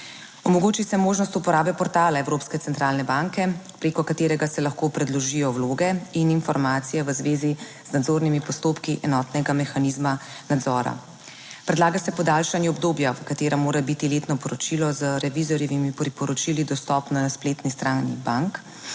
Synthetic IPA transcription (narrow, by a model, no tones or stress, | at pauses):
ɔmɔɡoːt͡ʃisɛmoːʒnɔst̪upɔɾaːbɛpɔɾt̪aːlaɛwɾoːpskɛt̪ɛnt̪ɾaːlnɛbaŋkɛpɾeːkɔkat̪eːɾɛɡasɛlaxkopɾɛd̪lɔʒijɔwloːɡɛininfɔɾmaːt̪sijɛʋəzʋeːzi | znad̪zoɾnimipɔst̪oːpkiʔɛnɔt̪nɛɡamɛxanizma | nad̪zɔːɾa̰ | pɾɛd̪laːɡasɛpɔd̪aːlʃanjɛɔbd̪oːbjaʋəkat̪eːɾamoːɾabit̪ilet̪nɔpɔɾɔt͡ʃilɔzəɾɛʋizɔɾjɛʋimipɾipɔɾɔt͡ʃilid̪ɔst̪ɔpnaspleːt̪nist̪ɾaːnḭbaŋk